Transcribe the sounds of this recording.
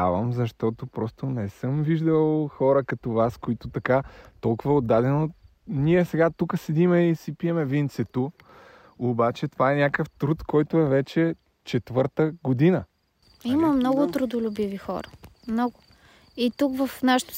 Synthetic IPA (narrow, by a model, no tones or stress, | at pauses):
avəmzɐʃt̪ɔt̪opɾɔst̪onɛsɤmviʒd̪əlˠxɔɾɐkɐt̪ovaskoit̪ʊt̪ɐkat̪ɔlˠkʊvɐod̪ːad̪ɛno | niɛsɛɡat̪ukəsɛd̪imɛisipiɛmɛvint̪sɛt̪o | obat͡ʃɛt̪ovaɛnʲakəft̪ɾut̪kɔjt̪oɛvɛt͡ʃɛ | t͡ʃɛt̪vɤɾt̪əɡod̪inə | iməmnɔɡʊt̪ɾʊd̪ʊlʲʊbivixɔ̰ɾə | mnɔɡʊ | it̪ukvɐfnaʃə̥t̪